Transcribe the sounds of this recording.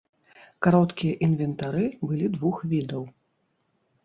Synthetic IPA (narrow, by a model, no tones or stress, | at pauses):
kaɾɔt̪kʲijɐʔinvʲɛnt̪aɾɨbɨlʲid̪vuxvʲid̪ɐw